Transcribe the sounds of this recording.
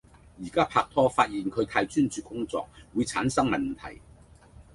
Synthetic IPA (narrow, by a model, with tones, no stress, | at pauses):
jiː˨˩kaː˥pʰaː˧k̚t̪ʰɔː˥faː˧t̚jiː˨˩nkʰɵ˨˧ɥt̪ʰaː˧jt͡ʃyː˥nt͡ʃyː˨˧kʊ˥ŋt͡sɔ̰ː˧k̚wuː˨˧jt͡sʰaː˨˥nsɐ˥ŋmɐ˨nt̪ʰɐ̰˨˩j